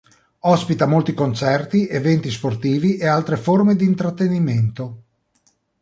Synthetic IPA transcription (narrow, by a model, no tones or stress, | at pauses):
ɔspit̪amolt̪ikont͡ʃɛrt̪iʔevɛnt̪isport̪iːviʔealt̪ɾeformed̪iːnt̪ɾat̪ːeniment̪o